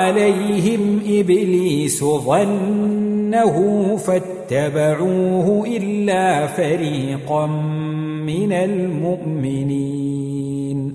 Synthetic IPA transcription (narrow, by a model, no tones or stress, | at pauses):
alajɦɪmʔɪbliːsʊðˤɑnː | aɦʊfat̪ːabaʕuːhʊʔɪlːaːfaɾiːqɑm | mɪnalmʊʔmɪniː | n